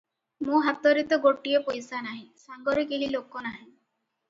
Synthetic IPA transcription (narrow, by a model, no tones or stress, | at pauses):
mũɦat̪ɔɾit̪ɔɡoʈijɔpojsanaɦĩsaŋɡɔɾekeɦilokɔnaɦĩ